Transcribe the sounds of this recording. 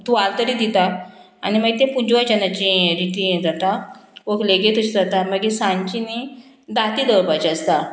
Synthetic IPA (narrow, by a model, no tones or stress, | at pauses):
t̪ualt̪əɾiːd̪it̪a | a̰niməɡt̪ẽpuɲd͡ʑʋad͡ʑanat͡ɕĩɾiʈid͡zat̪aʋokleɡet̪ut͡ɕʰid͡zat̪aməɡesãɲt͡ɕini | d̪at̪iːd̪əɾpat͡ɕəst̪a